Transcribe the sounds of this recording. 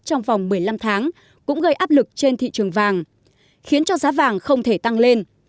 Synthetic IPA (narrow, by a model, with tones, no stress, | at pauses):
t͡ɕɔ˧wŋ͡mva˨˩wŋ͡mmɨ˨˩əjla˧mt̪ʰaː˨˦ŋ | kʊ̰˧˥ŋ͡mɣə˧jʔaː˦˥p̚lɨ˨˩k̚t͡ɕe˧nt̪ʰḭ˧˨t͡ɕɨ˨˩əŋvaː˨˩ŋ | xi˨˦ənt͡ɕɔ˧zaː˨˦vaː˨˩ŋxə˧wŋ͡mt̪ʰe˧˩t̪a˧ŋle˧n